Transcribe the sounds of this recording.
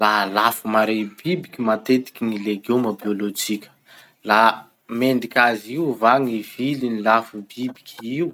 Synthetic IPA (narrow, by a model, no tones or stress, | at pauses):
laɦlafumaɾebibikʲimat̪et̪i̥kʲiŋileɡuməbiolod͡ʒikʲə̥ | la | meɳɖ͡ʐikʲaziuvaŋiv̥ilinilafubibi̥kʲʰiiw